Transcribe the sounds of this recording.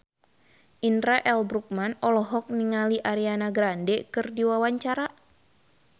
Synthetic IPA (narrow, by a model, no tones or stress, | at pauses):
ʔinɾaʔɛlbɾuk̚manɔlɔɦɔk̚niŋaliʔaɾianaɡɾandɛkɨrdiwawaɲt͡ʃaɾa